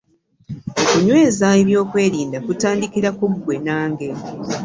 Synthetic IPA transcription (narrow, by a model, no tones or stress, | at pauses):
okuɲwe̞ːzaeβjo̞ːkwe̞ːɾiːndakutaːndikiɾakuɡwe̞naːŋɡe̞